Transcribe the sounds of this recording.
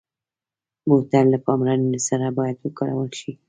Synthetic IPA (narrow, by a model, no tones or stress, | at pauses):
mot̪allapɑmɾannosaɾabɑjad̪wəkaɽa̰wəlʃi